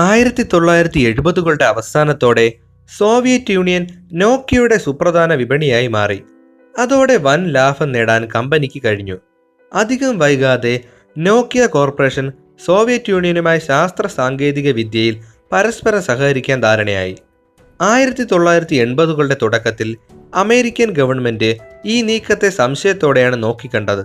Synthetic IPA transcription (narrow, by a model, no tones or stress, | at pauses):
aːjiɾɐt̪ːit̪o̞ɭːaːjiɾɐt̪ːie̞ɻubɐðuɣɐɭɖe̞ɐʋɐst̪aːnɐt̪ːo̞ːɽe̞ | so̞ːʋijɐtːjuːɳijɐnno̞ːkːijuɽe̞suprɐd̪ʱaːnɐʋibʱɐɳijaːjimaːri | ɐðo̞ːɽe̞ʋɐnlaːfɐmneːɽaːnkɐmbɐnikʲːikɐɻiɲːu | ɐd̪ʱiɣɐmʋɐjuɣaːðe̞ | no̞ːkːiɐko̞ːrpɐre̞ːʂɐn | so̞ːʋijɐtːjuːɳijɐnumaːjɐɕaːst̪rɐsaːŋɡe̞ːðiɣɐʋid̪jɐjil | pɐɾɐspɐɾɐmsɐɦɐɣɐɾikʲːaːnd̪ʱaːɾɐɳɐja̰ːjḭ | aːjiɾɐt̪ːit̪o̞ɭːaːjiɾɐt̪ːie̞ɳbɐðuɣɐɭuɽe̞t̪uɽɐkːɐt̪ːilɐme̞ːɾikʲːɐnɡɐʋɐɳme̞ndɨiːniːkːɐt̪ːe̞sɐmɕɐjɐt̪ːo̞ːɽe̞jaːɳɨno̞ːkːikʲːɐɳɖɐðɨ